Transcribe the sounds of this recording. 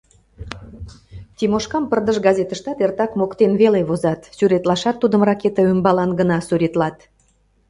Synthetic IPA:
t̪ʲimoʃkɑmpərd̪əʃɡɑzʲet̪ə̆ʃt̪ɑt̪ert̪ɑkmokt̪enβeleβozɑt̪syɾet̪lɑʃɑt̪ːud̪əmrɑket̪əømbɑlɑnɡənɑsuɾʲet̪lɑt̪

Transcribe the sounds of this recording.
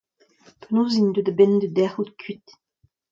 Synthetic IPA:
pʰənoːzind̪ød̪əbɛnd̪əd̪ɛʁut̪kʰɥit̪

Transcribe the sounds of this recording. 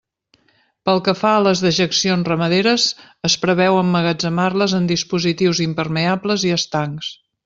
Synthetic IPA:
pəlˠkəfaələzðəʒəksionzrəməðeɾəz | əspɾəβɛwəmːəɣəd͡zəmarləzənd̪ispuzit̪iwzimpərməabləziəst̪aŋks

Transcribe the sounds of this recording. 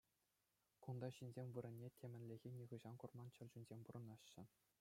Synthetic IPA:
kund̪ɑɕinʲzʲemʲʋɯɾʲɘ̆nʲːetʲʰemʲɘ̆nʲlʲĕɣʲenʲiʁɯʑɑnkurmɑnt͡ɕɘ̆lʲd͡ʑunʲzʲemʲpuɾɤ̆nɑɕːɘ̆

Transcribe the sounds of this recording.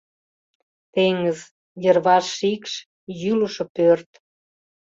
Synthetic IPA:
t̪eŋəz | jərβɑʃikʃ | jyləʃŏpørt̪

